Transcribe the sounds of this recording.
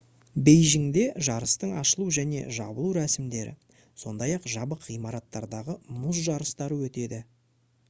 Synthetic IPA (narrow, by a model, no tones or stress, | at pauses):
bejʒɪŋd̪e̞ʒɑɾəst̪əɴɑʃəlˠuʒæne̞̰ʒɑ̰bəlˠuɾæsɪmd̪e̞ɾʔɪ̰ | so̞̰nd̪ɑjɑqʒɑbəqʁijmɑɾɑt̪ːɑɾd̪ɑʁəmʊzʒɑɾəst̪ɑɾəwɵt̪e̞d̪ɪ